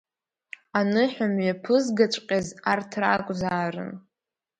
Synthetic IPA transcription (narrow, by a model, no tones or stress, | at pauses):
anɨħʷᶣamɥapʰɨzɡat͡ʃʷʼqʲʼazartʰrakʷʼzaːrɨ̰n